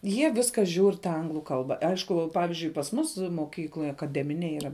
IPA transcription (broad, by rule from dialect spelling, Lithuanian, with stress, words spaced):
ˈjiɛ ˈʋʲɪskɐ ʒʲuːr tɐ ˈɐŋɡlˠʊ ˈkɐlˠbɐ ˈɐɪʃkʊ ˈpɑːʋʲɪʒʲʊɪ pɐs ˈmʊs moːˈkʲiːklˠoːj ɐkɐˈdʲæːmʲɪnʲeːj iːˈrɐ